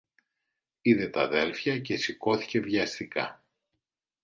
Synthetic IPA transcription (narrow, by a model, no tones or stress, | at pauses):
iðe̞t̪ɐðe̞lfçɐce̞siko̞θi̥ce̞vʝɐst̪ikɐ̰